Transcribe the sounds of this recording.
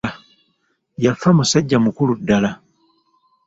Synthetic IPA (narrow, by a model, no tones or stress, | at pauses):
jafamusaɟːamukuludːala